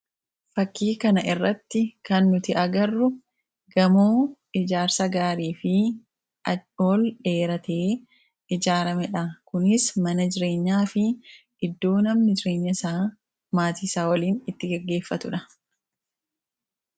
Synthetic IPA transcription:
fɐkːiːkɐnɐʔɪrːɐt̪ːɪkɐnːʊt̪ɪʔɐɡɐrːʊ | ɡɐmoː | ɪd͡ʒaːɾsɐɡaːɾiːfɪ | ɐoːlᶑe̞ːɾɐt̪eː | ɪd͡ʒaːɾɐmɛᶑɐkʊnɪsmɐnɐd͡ʒɪɾe̞ːɲːaːfɪ | ɪd̪ːo̞ːnɐmnɪd͡ʒɪɾe̞ːɲːɐɪsaː | maːt̪iːsaːwɐliːnɪt̪ːɪɡɐɡːe̞ːfːɐt̪ʊᶑɐ

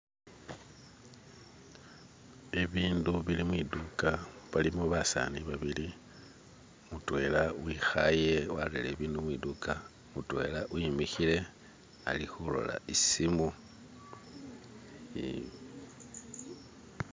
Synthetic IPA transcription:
eβiːnduβilimwidukaβalimuβasa̰niβaβili | mutwe̞lawixaje̞wallele̞βiːndumwiduka | mutwe̞̰laʔwimixile̞ | a̰lixulo̞̰la̰isimu

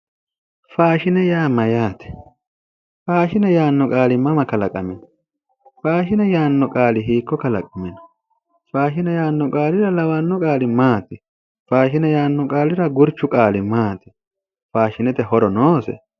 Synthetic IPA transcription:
faːʃɪnɛjaːmɐjaːt̪ɛ̥ | faːʃɪnɛjaːnːɔkʼaːlɪmɐmɐkɐlɐkʼɐ̰mɪnɐ̥ | faːʃɪnɛjaːnːɔkʼaːlɪɦiːkːɔkɐlɐ̰kʼɐmɪnɔ̥ | faːʃɪnɛjaːnːɔkʼaːlɪɾɐlɐwanːɔkʼaːlɪmaːt̪ɪ | faːʃɪnɛjaːnːɔkʼaːlɪɾɐɡʊɾt͡ʃːʊkʼaːlɪmaːt̪ɪ̥ | faːʃɪnɛt̪ɛhɔɾɔnoːsɛ̰

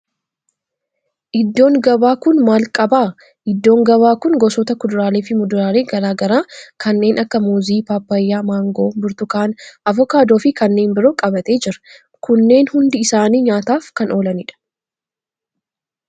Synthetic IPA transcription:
ʔɪd̪ːo̞ːŋɡɐbaːkʊnmaːlkʼɐbaː | ʔɪd̪ːo̞ːŋɡɐβaːkʊŋɡɔsɔt̪ɐkʊd̪ʊɾaːleːfɪmʊd̪ʊɾaːɾeːɡɐɾaːɡɐɾaːkʰɐnːe̞ːnʔɐkːɐmuːziːpaːpːɐjːaːmaːŋɡoːbʊɾt̪ʊkaːnʔɐvɔkaːd̪o̞ːfɪkɐnːe̞ːnbɪɾo̞ːkʼɐbɐt̪e̞ːd͡ʒɪɾɐ̥ | kʊnːe̞ːnhʊnd̪ɪɪsaːniːɲaːt̪aːfkɐno̞ːlɐnɪᶑɐ̥

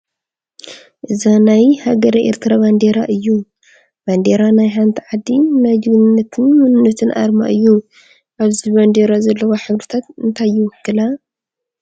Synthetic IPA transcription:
ʔɨzanajhaɡɐɾʔḛɾt̪ʰɨɾaβand̪eɾaʔɨjːu | band̪eɾanajħant̪ʰiʕad̪ːinajd̪ɨβɨnɨnːɐt̪ʰɨnmɨnɨnːɐt̪ʰɨnʔa̰ɾma̰ʔɨjːu | ʔaβziβand̪eɾazɐlːɐwoħɨβɾɨt̪ʰat̪ɨnt̪ʰajːɪwɔkːɨla

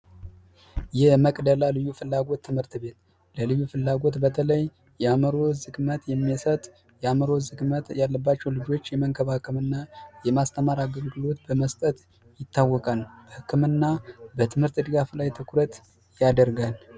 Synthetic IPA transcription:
jɛməkʼd̪əlalɨjːufɨlːaɡo̞t̪ʰːɨmhɨɾt̪be̞t̪ | ləlɨjːufɨlːaɡo̞t̪bət̪ʰələj | jɛaməɾo̞zɨɡmət̪jɛmːisət̪ʼ | jɛaməɾo̞zɨɡmət̪jalːəbːat͡ʃːɛwlɨd͡ʒo̞t͡ʃːjɛməŋkʰəβahɨkʰːɨmɨnːajɛmast̪ʰəmaɾaɡəlɡɨlo̞t̪bəməst̪ʼət̪ | jɪt̪ʰːawːɔkʼalb̥əhɨkːɨmɨnːabət̪ʰɨmhɨɾt̪d̪ɨɡaflajt̪ʰəkʰuɾət̪ | jad̪əɾɡal

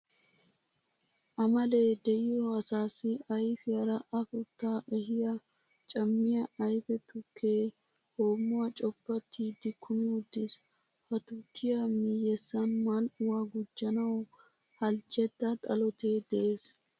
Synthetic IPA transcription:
ʔɐmɐle̞ːd̪ɛʔɪjɔɐsaːsɪɐjfɪɐɾɐʔɐfʊt̪ːaːʔɛɦɪjɐ | t͡ʃʼɐmːɪjɐʔɐjfɛt̪ʊkʰːeː | ho̞ːmːʊwɐt͡ʃʼɔbːɐt̪ʰːid̪ɪkʰʊmɪwʊd̪ːɪs | hɐt̪ʊkːɪjɐmɪjɛsːɐnmalʊwaːɡʊd͡ʒːɐnɐw | hɐlt͡ʃʼːɛd̪ːɐt̪ʼɐlɔt̪ʰeːd̪ɛʔeːs

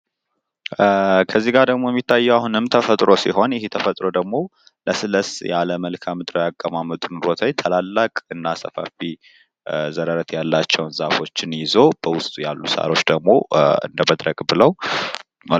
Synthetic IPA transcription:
kʰəzːiɡaɾd̪əɡmo̞jɛmːit̪ʰːajːɛwahunɨmt̪ʰəfət̪ʼɾo̞siho̞njɪhet̪ʰəfət̪ʼɾo̞d̪əɡmo̞ | lʔəsɨləsja̰ləməlkʰamɨd̪ɾojakʼːəmamɨt̪ʼunɾo̞t̪ʰəɲt̪ʰəlalːakʼɨnːasəfa̰fi | zəɾəɾət̪jalːat͡ʃːɛwnzafo̞t͡ʃːɪnjɪzo̞b̥əwʊst̪ʼujalːusa̰ɾo̞t͡ʃːd̪əɡmo̞ɨ̰nd̪əməd̪ɾəɡʼbɨləw | m

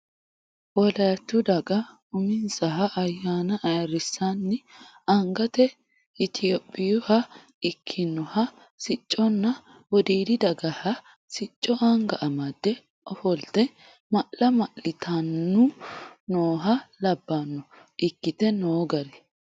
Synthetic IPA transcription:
wɔlɐt̪ːʊd̪ɐɡɐ | ʊmɪnsɐɦɐʔɐjːaːnɐʔɐjɾɪsːanːɪ | ɐŋɡɐt̪ɛ | ɪt̪ʰɪjɔpʼːɪjʊhɐ | ɪkʰːɪnːɔhɐ | sɪt͡ʃʼːɔnːɐ | wɔd̪iːd̪ɪd̪ɐɡɐhɐ | sɪt͡ʃʼːɔʔɐŋɡɐʔɐmɐd̪ːɛ | ʔɔfɔld̪ɛ | mɐʔːɐmɐʔɪt̪ʰɐnːʊnoːɦɐlɐbːɐnːʊ | ʔɪkːɪt̪ɛnoːɡɐɾɛ

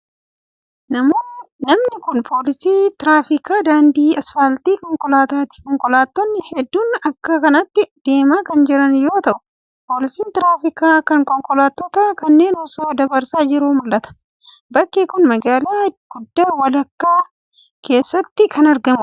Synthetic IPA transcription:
nɐmoːnɐmnɪkʊnpʰo̞ːlɪsiːt̪ɪɾaːfɪkaːd̪aːnd̪iːɐsfɐlt̪iːkɔŋkɔlaːt̪aːt̪ɪ̥kɔŋkʼɔlaːt̪ːɔnːɪhɛd̪ːuːnɐkːɐkɐnɐt̪ːɪd̪̥e̞ːmaːkɐnd͡ʒɪɾɐnjo̞ːt̪ɐʔʊ̥ | po̞ːlɪsiːnt̪ɪɾaːfɪkaːkɐŋkɔŋkʼɔlaːt̪ːɔt̪ɐkɐnːe̞ːnɔsoːd̪ɐbɐɾsaːd͡ʒɪɾuːmʊlːɐt̪ɐ̥ | bɐkːeːkʊnmɐɡaːlaːɡ̥ʊd̪ːaːwɐlɐkːaː | kʰe̞ːsːɐt̪ːɪkʰɐnɐɾɡɐmʊ

